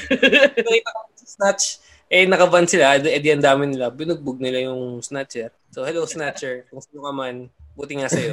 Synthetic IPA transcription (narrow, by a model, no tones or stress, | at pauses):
kɐŋit̪ɐkɐmasɐsnat͡ʃ | ʔɛnɐkɐbansɪlaʔd̪ʔɛd̪ɪɐnd̪aːmɪnɪlabɪnʊɡ̚bʊɡ̚nɪlajʊŋsnatt͡ʃɛt | sohɛlowsnat͡ʃɛɹkʊŋsinoŋɐmanbuːt̪ɪŋasɐjo̞